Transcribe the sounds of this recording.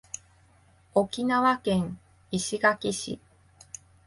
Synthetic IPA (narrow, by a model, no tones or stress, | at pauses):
o̞kʲinaβakẽ̞ŋ̃ | iɕiɡakʲiɕḭ